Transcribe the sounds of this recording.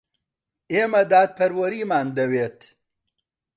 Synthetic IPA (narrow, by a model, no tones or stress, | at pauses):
eːmɐd̪aːt̪̚pʰɐɾwɐɾiːmaːnd̪ɐweːt̪